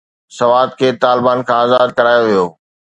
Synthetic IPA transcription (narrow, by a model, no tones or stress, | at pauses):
sɐʋaːd̪̚kʰeːt̪aːlɪbaːnkʰãaːzaːd̪̚kɐɾaːjoʋijoː